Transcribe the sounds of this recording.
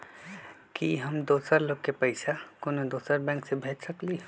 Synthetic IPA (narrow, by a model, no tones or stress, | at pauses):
kiɦəmd̪oːsəɾloɡkːepəɪsakonod̪oːsəɾbɛ̃ŋksebʱetsəkli